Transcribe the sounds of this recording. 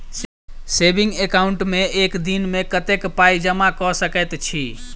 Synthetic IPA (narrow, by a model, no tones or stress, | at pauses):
sebiŋɡekauɳʈmeekd̪inmekət̪ekpaid͡ʒəmakɔsəkɛt̪t͡ʃʰi